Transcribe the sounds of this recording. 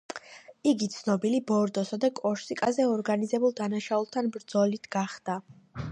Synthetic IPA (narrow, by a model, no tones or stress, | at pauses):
iɡit̪sʰnɔbilibɔɾd̪ɔsad̪akʼɔɾsikʼazɛɔɾɡanizɛbulˠd̪anaʃaulˠt̪ʰanbɾd̪z̥ɔlit̪ʰɡaχd̪̥a